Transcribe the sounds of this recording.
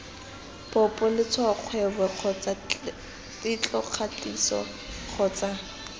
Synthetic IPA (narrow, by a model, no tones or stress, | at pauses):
pɔpʼɔlɪt͡sʰwaq͡χʰwɛbɛq͡χʰɔt͡sa | tʼɪt͡ɬʼɔq͡χʰat͡ɬʼisɔ̰ | q͡χʰɔːt͡sa